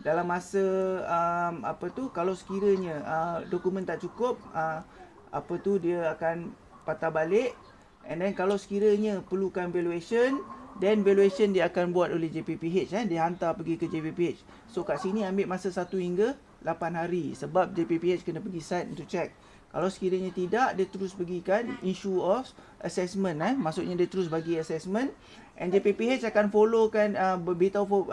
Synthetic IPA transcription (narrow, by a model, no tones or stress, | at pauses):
dalamːasəəma̰pət̪ukalawsə̥kiɾəɲə̃ədokumə̃nt̪aʔt͡ʃukʊp̚əm | a̰pət̪udiəakan | pat̪abalɪʔ | ʔɛ̰ndɛnkalawsə̥kiɾəɲə̃pəlukanvɛlueʃəndɛnveluesəndiəakanbuat̪olɛhd͡ʒepipiet͡ʃadiəɦant̪apəɡikəd͡ʒepepiet͡ʃ | sokaʔsiniambeʔmasəsat̪uhiŋɡə | lapanɦaɾisəbap̚d͡ʒepepiet͡ʃkənə̃pəɡisajt̪̚ɛnt̪ut͡ʃɛk̚ː | alawsə̥kiɾəɲãt̪idaʔdiət̪əɾʊspəɡikaninʃuɔf | ʔəsɛsmə̃nɛmasʊʔ̚ɲadiət̪əɾʊsbaɡiəsɛsmə̃n | ʔɛnd͡ʒepepiet͡ʃakanfolokanəbəbit̪awfo